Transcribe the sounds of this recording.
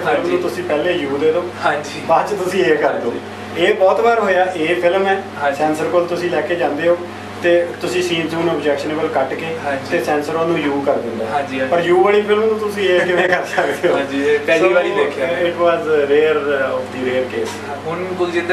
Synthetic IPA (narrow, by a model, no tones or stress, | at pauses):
ɪlmnũːt̪ʊsĩːpɛːleːjuːd̪eːd̪õːãd͡ʒibat͡ʃt̪ʊsĩːeːkəɾd̪oː | eːbɔːt̪baːɾɦoːjaːʔeːpʰɪlmɛːɦsɛ̃ːnsəɾkolt̪ʊsĩːlɛːkeːd͡ʒãːnd̪eːɦoː | t̪eːt̪ʊsĩːsiːnsuːnəbd͡ʒɛːkʃəneːbəlkəʈkeːãːit̪eːsɛːnsəɾoːnũːjuːkəɾd̪ɪ̃nd̪aːãd͡ʒipəɾjuːbaːɭiːpʰɪlmnũːt̪ʊsĩːeːkɪʋẽːkəɾsəkd̪eːõd͡ʒipɛːloiaːlieːkʰɪʈʋaːzɾeːɾɔpd̪iːɾeːɾkeːs | ɦʊnkʊld͡ʒɪd̪